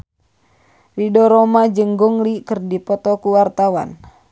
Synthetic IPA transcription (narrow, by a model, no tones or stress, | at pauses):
ridɔɾomad͡ʒəŋɡuŋlikərdipɔt̪ɔkuwart̪awa̰n